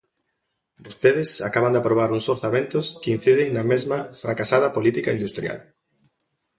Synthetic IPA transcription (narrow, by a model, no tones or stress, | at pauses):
bost̪eðɪsa̰kaβand̪apɾoβ̞aɾuŋsoɾθamẽnt̪oskɪin̟θiðɪŋnɐmezmɐfɾakasað̞ɐpolit̪ikaind̪ust̪ɾja̰l